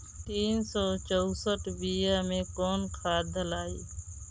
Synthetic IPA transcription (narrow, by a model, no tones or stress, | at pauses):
t̪iːnsoːt͡ʃəʊsəʈbiːjaːmẽːkoːnkʰaːd̪ʱəlaːḭː